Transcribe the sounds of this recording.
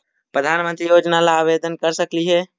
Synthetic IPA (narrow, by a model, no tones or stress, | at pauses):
pɾəd̪ʱaːnmə̃nt̪ɾijoːd͡ʒnalaaʋed̪ənkəɾsəkliɦɛ